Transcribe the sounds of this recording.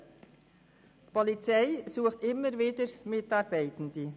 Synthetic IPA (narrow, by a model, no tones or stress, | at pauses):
pʰɔlit͡sɛɪsuːəχtɪmːəɾviːdəɾmɪtɑɾbɛɪtn̩di